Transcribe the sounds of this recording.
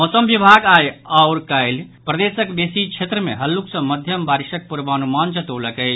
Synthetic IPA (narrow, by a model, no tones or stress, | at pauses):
osəmbibʱaɡajaʊɾkəjl | pɾəd̪esəkb̪esikt͡ʃʰet̪ɾəmeɦəlːuksə̃məd̪ʱjəmbaɾiʃək̚puɾbəənumand͡ʒət̪oləkəj